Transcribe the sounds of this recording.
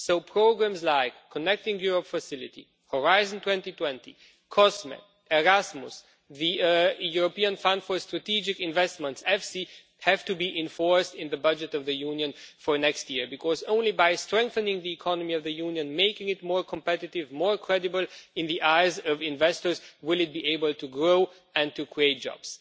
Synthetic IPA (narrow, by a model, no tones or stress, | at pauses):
soʊpʰɹ̥oʊɡɹæ̃mzlaɪkʰːənɛk̚tɪ̃ŋjuɹəpfəsɪlˠɨtḭ | hɔɹaɪzə̃n̩tw̥ɛ̃ntitʰw̥ɛ̃ntḭ | kʰɔsmɛ̰ | ɛɹasmʊs | ðijuɹopiɨ̃nfʌ̃nd̥fə˞stɹ̥ɨtid͡ʒɪkɨ̃ɱvɛstmə̃ntsɛfsi | hæv̥tɨbiʔɪ̃ɱfɔɹstɪ̃nðɨbʌd͡ʒɨtʌvðɨjũnjɨ̃nfə˞nɛkstjɪɹbɨkʰɔzõʊ̃nlibaɪstɹ̥ɛ̃ŋk̚θɨnɪ̃ŋðiɨkʰɑnəmiʌvðɨjũnjɨ̃nmeɪkɪ̃ŋɨt̚mɔɹkʰə̃mpɛɾɨɾɪvmɔɹkʰɹ̥ɛɾɨbəl̩ˠɨ̃nðiʔaɪzʌvɪ̃ɱvɛstə˞zwɪlˠɨt̚b̥ieɪbəl̩ˠtʰuɡɹoʊ | ɨ̃ntʰɨkʰɹieɪt̚d̥d͡ʒ̥ɑ̰b̥z̥